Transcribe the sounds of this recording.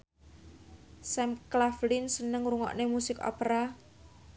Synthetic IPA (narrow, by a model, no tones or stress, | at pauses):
sɛmklaflɪnsənəŋruŋɔ̰ʔnemusɪkɔ̰peɾa